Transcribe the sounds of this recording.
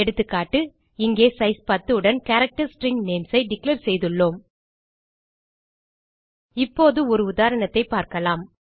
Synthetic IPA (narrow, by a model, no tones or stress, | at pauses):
ɛɽɯt̪ːɯkːaːʈːɯ | ɪŋɡeːsɐɪspɐt̪ːɯɯɽɐnkɐɾɐk̚ʈɐɾsʈɾɪŋɡneːmsɐɪɖɪkleɾsɛjðɯɭːoːm | ɪpːoːðɯɔɾɯʊðaːɾɐɳɐt̪ːɐɪpːaːɾkɐlaːm